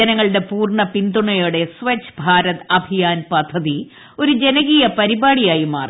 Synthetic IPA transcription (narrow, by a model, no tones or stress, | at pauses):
ɐnɐŋːɐɭɨɽe̞puːrɳɐpind̪uɳɐjoɽe̞sʋet͡ɕːbʱaːɾɐt̪ɐbʱijaːnpɐd̪ʱːɐði | o̞ɾud͡ʑe̞nɐɣiːjɐpɐɾibaːɽijaːjimaːr